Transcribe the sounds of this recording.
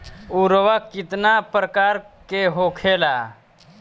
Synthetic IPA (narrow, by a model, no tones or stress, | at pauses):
uɾwakːɪt̪napɾəkaːɾkeɦoːkʰeːlaː